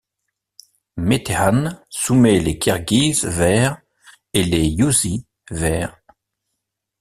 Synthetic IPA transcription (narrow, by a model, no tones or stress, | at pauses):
met̪ʰeansumelekʰɛʁɡiːzvɛːʁ | elejuzi | vɛːʁ